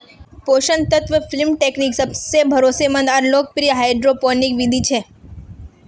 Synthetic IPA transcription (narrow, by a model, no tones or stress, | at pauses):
poʃənt̪ət̪ʋəfɪlmʈekniksəbsebʱəɾosemə̃nd̪aɾlok̚pɾiɦajɖɾopɔnikʋid̪ʱit͡ʃʰe